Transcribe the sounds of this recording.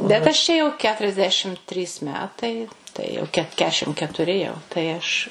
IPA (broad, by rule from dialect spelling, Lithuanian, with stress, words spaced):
bʲɛt ɐʃ ˈt͡ʃʲɛ jɛʊ kʲɛtʊrʲɛzʲˈdʲæːʃʲɪm ˈtʲrʲiːs ˈmʲæːtɐɪ ˈtɐɪ jɛʊ ˈkʲɛt ˈkʲæːʃʲɪm kʲɛtʊˈrʲɪ jɛʊ tɐɪ ˈɐʃ